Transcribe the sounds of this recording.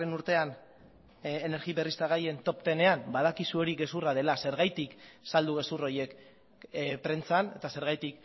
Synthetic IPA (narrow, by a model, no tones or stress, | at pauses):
enuɾt̪e̞an | ene̞ɾɣiβerist̪aɣ̞aje̞nt̪o̞pt̪e̞ne̞ambað̞akisuo̞ɾiɣe̞suraðe̞lase̞ɾɣajt̪iksald̪uɣe̞suroje̞k | pɾe̞nt͡sane̞t̪ase̞ɾɣajt̪ik